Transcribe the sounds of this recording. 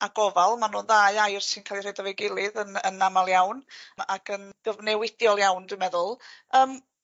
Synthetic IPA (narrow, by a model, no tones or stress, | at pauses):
aɡ̥ɔvalˠmanoːnðaɨajrsɪnkʰaːlˠir̥ejdɔvɛɡɪlˠɨðənənːamalˠjawnakʰənɡ̥əvnɛwɪdjɔlˠjawndwɨmɛðʊlˠəːm